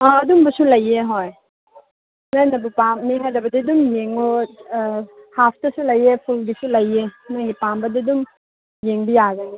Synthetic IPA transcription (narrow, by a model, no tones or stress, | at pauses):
aɐdumbɐsulɐjeɦoj | najnɐbupamːiɦajdɐbɐdidumjeŋo | hapʰtɐsulɐjepʰulɡisulɐjenojɡipambɐdidum | jeŋbijaɡɐni